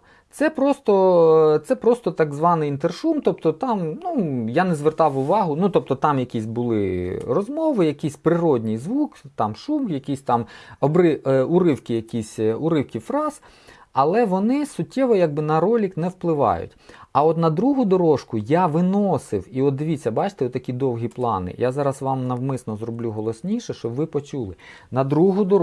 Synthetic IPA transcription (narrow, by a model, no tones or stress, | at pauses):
t̪sɛpɾɔst̪ɔt̪sɛpɾɔst̪ɔt̪ɑɡzʋɑnɪjint̪erʃumt̪ɔpt̪ɔt̪ɑmnujanɛzʋert̪ɑwʊʋɑɦʊnut̪ɔp̚t̪ɔt̪ɑmjɐkʲisʲbʊlˠɪ̰rɔzmɔʋɪjɐkʲisʲpɾɪɾɔdʲnʲijzʋukt̪ɑmʃumjɐkʲisʲt̪ɑmɔbɾɪʊɾɪwkɪjɐkʲisʲʊɾɪwkʲifɾɑz̥ | ɐlˠɛʋɔnɪsʊtʲːɛʋɔjaɡ̚bɪnɐɾɔlʲiknɛwplˠɪʋɑ̰jʊ̰tʲɐɔt̪nɐd̪ɾuɦʊd̪ɔɾɔʃkʊjaʋɪnɔsɪwiɔt̪̚d̪ɪʋʲitt͡sʲːɐbɑt͡ʃt̪ɛɔt̪ːɐkʲid̪ɔwɦʲiplˠɑ̰nɪ̰jazɑɾɐsʋɑmnɐwmɪsnɔzrɔblʲuɦɔlˠɔsʲnʲiʃɛʃt͡ʃɔbʋɪpɔt͡ʃulˠɪ | nɐd̪ɾuɦʊd̪ɔ